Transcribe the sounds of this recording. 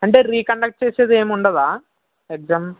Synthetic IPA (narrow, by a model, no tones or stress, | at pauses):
ɐɳɖeriːkɐɳɖɐk̚ʈ̚t͡ɕe̞ːsɐðɨeːmuɳɖɐðaː | ek̚saːm